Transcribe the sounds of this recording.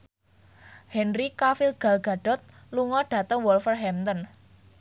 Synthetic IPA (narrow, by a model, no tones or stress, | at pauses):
hɛnrikafilɡ̥a̤lɡ̥a̤ɖ̥ɔ̤t̪̚ | luŋɔɖ̥ä̤t̪əŋwɔlfərɦɛmt̪ən